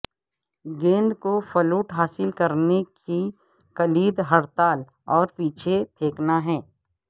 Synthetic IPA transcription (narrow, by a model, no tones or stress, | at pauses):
ɡẽːnd̪kofəluːʈɦaːsɪlkəɾneki | kəliːd̪ɦəɽt̪aːl | ɔːɾpiːt͡ʃʰet̪ʰeːknaɦɛ̃ː